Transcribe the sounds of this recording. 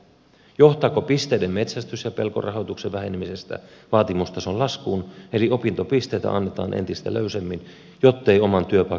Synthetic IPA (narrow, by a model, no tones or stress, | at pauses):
jo̞ht̪ɑːkopist̪eidemmet̪sæst̪ysjɑpe̞lko̞̰rɑɦot̪ukseʋʋæhenemisest̪æ̰ʋɑːt̪imust̪ɑseolɑskuːnelio̞pint̪opist̪e̞ːt̪æ̰ʔɑnːet̪ɑ̰ːnʔḛnt̪ist̪æ̰løysemːin | jot̪ːeio̞mɑnt̪yøpɑ